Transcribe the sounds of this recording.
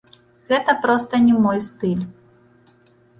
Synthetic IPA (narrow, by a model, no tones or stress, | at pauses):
ɣɛt̪ɐpɾɔst̪ɐnʲɛmɔjst̪ɨlʲ